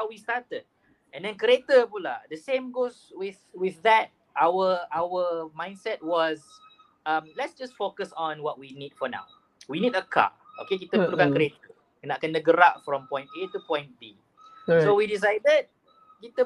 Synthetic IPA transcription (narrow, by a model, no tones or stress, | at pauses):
hawwistatəd̚ | ɛ̃ndɛ̃nkɾet̪əpula̰dəsẽmɡoswiθwiθdɛt̚ | ʔawəawəmãj̃nsɛt̚wɔz | ʔãmlɛtsd͡ʒasfokəsɔ̃nwɔt̚winid̥fɔna̰w | winidəkʰa̰o̰kek̬it̪əulukãnkɾet̪ə | kənakənəɡəɾaʔfɹɔ̃mpɔ̃j̃ntetupɔ̃j̃nt̚bi | sowidis̬ajdəd̚ | kit̪ə